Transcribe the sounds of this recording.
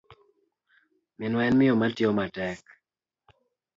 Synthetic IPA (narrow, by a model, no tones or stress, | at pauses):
mɪnwɛnmɪomatjomatɛk